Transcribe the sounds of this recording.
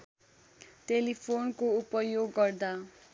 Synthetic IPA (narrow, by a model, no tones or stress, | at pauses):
ʈelipʰonkoupʌjoɡːʌrd̪a